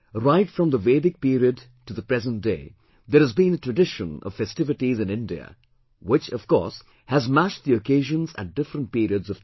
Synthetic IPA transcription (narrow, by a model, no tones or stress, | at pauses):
ɾaɪtfɹʌ̃mðəveɪdɪk̚piɾiɨd | tuðəpɹ̥ɛzə̃nt̚d̥eɪ | ðəɾɨzbĩnətʰɹ̥ɨdɪʃə̃nʌ̰v̥fɛstɪvɨʈizɨ̃nɪ̃ndiə̰ | wɪt͡ʃʌv̥kɔ̰ɹs | hæzmæʃðiɨkʰeɪʒə̃nzæ̰t̚d̥ɪfɾə̃nt̚piɾiɨdzʌv̥